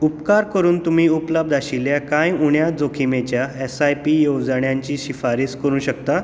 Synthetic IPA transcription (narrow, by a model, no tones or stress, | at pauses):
upkaɾkəɾuːnt̪umiːupləb̚d̪aɕiljakãjuɳjad͡zokʰimet͡ɕjaesajpiːjoɡd͡zəɳjãɲt͡ɕiːɕifaɾiːskəɾũːɕəkt̪a